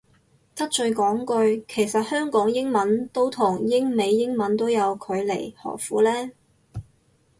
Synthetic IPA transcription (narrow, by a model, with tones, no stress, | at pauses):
t̪ɐ˥t̚t͡ʃɵ˧ɥkɔː˨˥ŋkɵ˧ɥkʰe˨˩jsɐ˨t̚hœː˥ŋkɔː˨˥ŋjɪ˥ŋmɐ˨˥nt̪o˥wt̪ʰʊ˨˩ŋjɪ˥ŋme˨˧jːɪ˥ŋmɐ˨˥nt̪o˥wjɐ˨˧wkʰɵ˨˧ɥle˨˩jhɔ̰ː˨˩kfuː˨˥lɛː˥